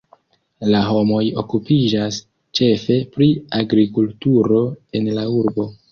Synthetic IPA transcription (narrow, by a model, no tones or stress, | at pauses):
laɦo̞mo̞jo̞̰kupid͡ʒas | t͡ʃe̞fe̞pɾiaɡɾikultuɾo̞e̞nlauɾbo̞